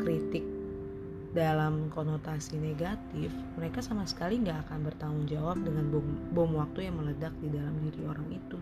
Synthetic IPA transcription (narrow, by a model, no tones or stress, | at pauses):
kɾit̪ɪk̚ | dalamkonot̪asineɡat̪ɪfməɾekasamasə̥kaliŋɡaːkanbərt̪aŋʊŋd͡ʒawap̚dəŋanbɔmbɔmwak̚t̪ujaŋmələdak̚didalamdiɾioɾaŋit̪u